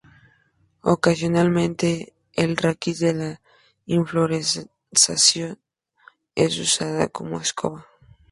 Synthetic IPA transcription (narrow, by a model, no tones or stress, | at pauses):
o̰kasjonalmẽnt̪e | elrʔakizðela | iɱfloɾe | sasjon | ezusaða̰komoeskʰoβa